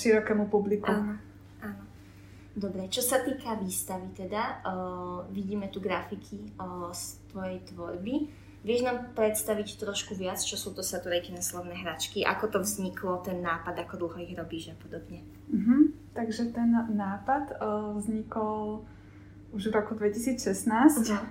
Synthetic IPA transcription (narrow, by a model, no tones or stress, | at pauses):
ʃiɾɔkɛːmupublikʔu | ʔaːnɔ | d̪ɔbɾɛt͡ʃɔsat̪iːkaʋiːst̪aʋit̪ɛd̪a | ʋiɟiːmɛt̪uɡɾafikʰist̪ʋɔjɛjt̪ʋɔɾbi | ʋɪɛʒnaːmpɾɛt̪st̪aʋict̪ɾɔʃkuʋɪat͡st͡ʃɔsuːt̪ɔsat̪uɾɛjkinaslɔʋnɛːɦɾat͡ʃkiʔa̰kɔt̪ɔvzɲikʰlɔt̪ɛnːaːpad̪akɔd̪l̩ˠɦɔiɣɾɔbiːʒapɔd̪ɔbɲɛ | m̩ɦm̩t̪aɡʒɛt̪ɛnːaːpad̪vzɲikɔl | uʒvɾɔkud̪ʋɛcisiːt͡sʃɛsnaːs